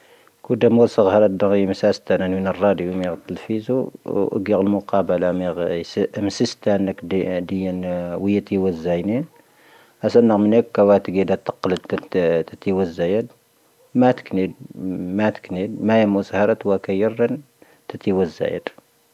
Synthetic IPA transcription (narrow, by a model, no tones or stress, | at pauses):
kud̪æmusəɣhɑɾˤɑd̪əɣimsæst̪ænənmənərˤːɑd̪jumiɣt̪ːəlfizuʔɡiɣəlmʊqɑbəlamiɣsmsəst̪ænək̪d̪əjːənwəjət̪iwəzːæjnin | ʔæsənːəɣmənækːæwæt̪əɡid̪æt̪ːə̥qːləd̪t̪t̪ət̪iwəzːæjəd̪ | mæt̪knid̪mæt̪knid̪mæjəmushɑɾˤɑt̪wækæjərːən | t̪ət̪iwəzːæ̰jə̰d̪